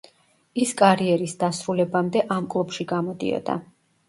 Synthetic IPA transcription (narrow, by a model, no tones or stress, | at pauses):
iskʼaɾiɛɾisd̪asɾulɛbamd̪ɛʔamkʼlˠupʃiɡamɔd̪ḭɔ̰d̪a̰